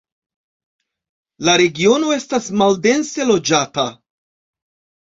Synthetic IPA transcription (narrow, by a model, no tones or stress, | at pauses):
laɾe̞ɡio̞no̞e̞stasmalde̞nse̞lo̞d͡ʒata